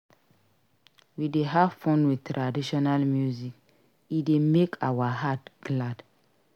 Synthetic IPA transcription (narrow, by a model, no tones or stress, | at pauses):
wideɦavfonwɪðtʰɾadiʃɔnalmjuzik̚ | idemekʰawaɦatɡ̥lad̥